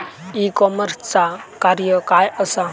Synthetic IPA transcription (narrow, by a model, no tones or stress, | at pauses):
ikɔməɾst͡sakaɾjəkajəsa